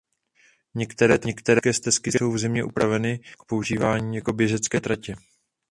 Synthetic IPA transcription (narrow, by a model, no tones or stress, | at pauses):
ɲɛkt̪ɛɾɛːt̪ɲɛkt̪ɛɾɛkɛːst̪ɛskɪso̞wvzɪmɲɛʔṵpɾavɛnɪk̚po̞uʒiːvaːɲiːjako̞bjɛʒɛt͡skɛːt̪ɾacɛ